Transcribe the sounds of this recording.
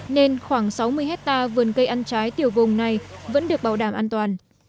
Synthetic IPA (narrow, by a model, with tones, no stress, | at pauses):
ne˧nxwaː˧˩ŋsa˨˦wmɨ˧əjɦɛ˦˥t̚t̪aː˧vɨ˨˩ənkə˧jʔa˧nt͡ɕaː˨˦jt̪i˨˩əwvʊ˨˩ŋ͡mna˨˩jvə̰˧˥nɗɨ˨˩ək̚ɓaː˧˩wɗaː˧˩mʔaː˧nt̪waː˨˩n